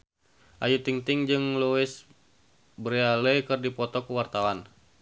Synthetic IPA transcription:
ʔajut̪iŋt̪ɪŋd͡ʒɨŋluɪs | bəɾealɛkɨrdipɔt̪ɔkuwart̪awan

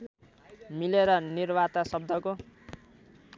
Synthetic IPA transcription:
mileɾʌnirbat̪asʌb̚d̪ʱʌko

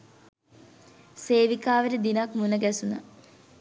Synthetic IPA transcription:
seːʋikaːʋəɾed̪inakmunəɡæsuna

